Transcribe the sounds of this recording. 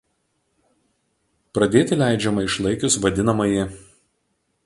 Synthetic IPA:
pɾɐd̪ʲeːt̪ʲɪlʲæˑɪd͡ʒʲɛmɐɪʃlˠɐɪkʲʊsʋɐd̪ʲɪnɐmɐjɪ

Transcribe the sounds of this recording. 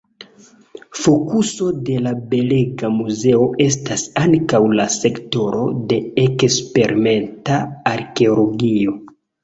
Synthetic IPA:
fo̞kuso̞de̞labe̞leɡamuze̞o̞ʔe̞s̬tasaŋkawlase̞kto̞ɾo̞̰de̞ekspe̞ɾʔime̞ntaːɾke̞olo̞ɡio̞

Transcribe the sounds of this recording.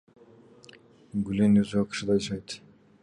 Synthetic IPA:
ɡylenøzyɑkɯ̥ʃɯd̪ɑjɯʃɑjt̪

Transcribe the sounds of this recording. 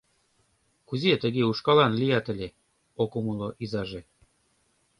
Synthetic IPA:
kuziet̪ə̆ɣeuʃkɑlɑnlijɑt̪ə̆lʲe | okomuloʔizɑʒe

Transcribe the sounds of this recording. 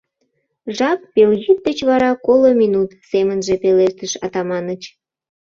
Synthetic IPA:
ʒɑpːelɣyt̪̚d̪ət͡ɕβɑɾɑkolominut̪semənʒepeleʃt̪əʃɑ̰t̪ɑmɑnət͡ɕ

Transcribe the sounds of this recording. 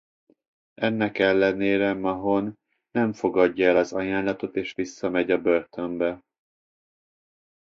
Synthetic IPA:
ɛnːɛkɛlːɛneːɾɛmɒɦonː | ɛɱfo̞ɡɒɟːɒɛlɒzɒjaːnlɒt̪o̞t̪eːʃʋisːɒmɛɟɒbørt̪ʰø̞mbɛ

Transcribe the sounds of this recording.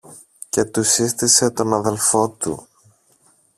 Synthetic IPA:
ce̞t̪usist̪ise̞t̪o̞nɐðe̞lfo̞t̪ṵ

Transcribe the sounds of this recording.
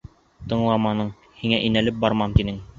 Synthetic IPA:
t̪ɤ̆ɴlˠɑmɑnɤɴ | hiŋæʔinælɘp̚bɑɾmɑmt̪inɘŋ

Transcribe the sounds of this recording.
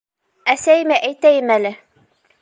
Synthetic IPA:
æsæjɘmæʔæjt̪æjɘmælɘ

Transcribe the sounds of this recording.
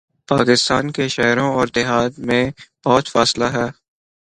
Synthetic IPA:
paːkɪst̪aːnkeʃɛːɾõɔːɾd̪ɪɦaːt̪mẽb̥ɔːt̪faːslaɦɛː

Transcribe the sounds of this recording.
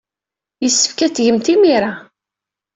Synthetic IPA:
jəsːə̥fkæt͡sːʝəmt̪imiɾa

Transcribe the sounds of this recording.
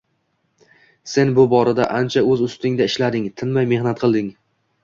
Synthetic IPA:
se̞nbʊbɒɾad̪aʔant͡ʃʰaɵzʊst̪ɪŋd̪aɪʃlad̪ɪŋt̪ʰɪnmajme̞hnat̪̚qʰɨlˠd̪ɪŋ

